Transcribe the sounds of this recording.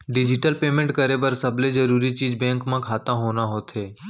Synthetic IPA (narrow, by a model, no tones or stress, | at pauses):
ɖɪd͡ʒɪʈəlpeːmẽɳʈkɐɾebɐɾsɐbled͡ʒɐɾuːɾit͡ʃiːd͡ʒbɛ̃ːŋkmãkʰaːt̪ãɦoːnaɦoːt̪ɦeː